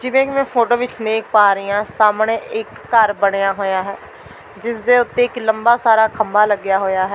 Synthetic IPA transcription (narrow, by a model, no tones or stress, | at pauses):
d͡ʒɪʋẽːkɪmɛ̃ːpʰoːʈoːʋɪt͡ʃnẽːkpaːɾiːãːsaːmɳeːʔɪkːəɾbəɽeːãːɦoːjaːɦɛː | d͡ʒɪsd̪eːʊt̪ːeːɪkləmbaːsaːɾaːkʰəmbaːləɡɪjaːɦoːjaːɦɛː